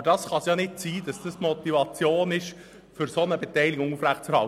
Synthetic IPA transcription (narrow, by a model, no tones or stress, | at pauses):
əɾd̥ɑsχɑsjɑnɪt̚t͡siːd̥ɑsd̥ɑsmɔt̪ivɑt͡sjoːnɪʃ | fʏɾsonəbɛtɛɪlɪɡʊŋufɾæχtt͡sɛɾhɑ